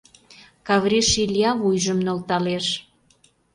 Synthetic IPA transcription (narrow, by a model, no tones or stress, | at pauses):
kɑβɾʲiʃilʲjɑβujʒəmnolt̪ɑleʃ